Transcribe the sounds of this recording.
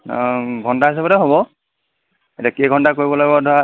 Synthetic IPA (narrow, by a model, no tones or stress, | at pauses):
ɡʱɔndaɦis̬ɛbadɛɦobɔ | etakeɡʱɔndakoɹibɔlaɡbɔdʱɔa